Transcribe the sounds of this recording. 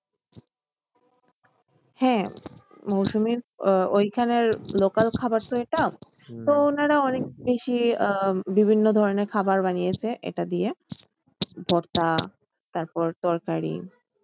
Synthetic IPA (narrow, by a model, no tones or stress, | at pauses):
hɛ̃ | mowʃumiɾojkʰaneɾlokalkʰabaɾt̪oeʈao | t̪oonaɾaɔnek̚beʃi | bibʱinːod̪ʱɔɾoneɾkʰabaɾbanijet͡ɕʰeʔḛʈad̪ie | bʱɔɾt̪a | t̪aɾpɔɾt̪ɔɾkaɾḭ